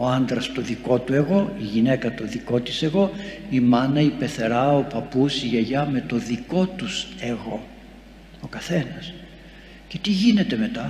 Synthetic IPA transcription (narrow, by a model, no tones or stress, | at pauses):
o̞ɐnd̪ɾɐst̪o̞ðiko̞t̪ue̞ɣo̞iʝine̞kɐt̪o̞ðiko̞t̪ise̞ɣo̞imɐnɐipe̞θe̞ɾɐopɐpusiʝeʝɐme̞t̪o̞ðiko̞t̪use̞ɣo̞ | o̞kɐθe̞nɐs | ce̞̥t̪iʝine̞t̪e̞me̞t̪ɐ